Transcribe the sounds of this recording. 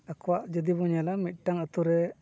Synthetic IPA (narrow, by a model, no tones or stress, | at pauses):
akɔwaʔd͡ʒəd̪ibɔɲalamit̪̚ˀʈaŋət̪uɾɛ